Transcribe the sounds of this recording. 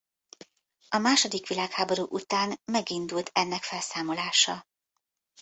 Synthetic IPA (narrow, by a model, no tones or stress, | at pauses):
ɒmaːʃo̞d̪ikʋilaːkhaːbo̞ɾuːʔut̪aːnmɛɡind̪ult̪ʰɛnːɛkfɛlsaːmo̞laːʃɒ